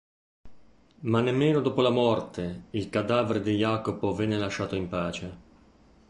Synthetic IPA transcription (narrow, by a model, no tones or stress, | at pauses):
manːemːeːnod̪oːpolamɔrt̪ʰeilkad̪aːveɾed̪ijaːkopovɛnːelaʃːaːt̪oimpaːt͡ʃe